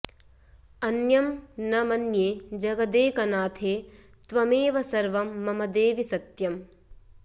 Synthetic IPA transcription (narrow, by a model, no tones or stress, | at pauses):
ɐnjɐmnɐmɐnjeːd͡ʒɐɡɐd̪eːkɐnaːt̪ʰeː | t̪ʋɐmeːʋɐsɐɾʋɐmːɐmɐd̪eːʋisɐt̪jɐm